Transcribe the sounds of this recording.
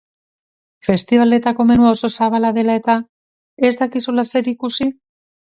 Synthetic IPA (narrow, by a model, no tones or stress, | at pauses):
fe̞st̪iβale̞t̪ako̞me̞nuao̞so̞saβalaðe̞lae̞t̪a | e̞zd̪akisulase̞ɾikusi